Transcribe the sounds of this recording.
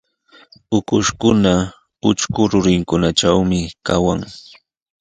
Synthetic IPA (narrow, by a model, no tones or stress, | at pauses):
ʊkʊʃkʊna | ʊt͡ʃkʊɾʊɾɪŋkʊnaʈ͡ʂawmɪkawaŋ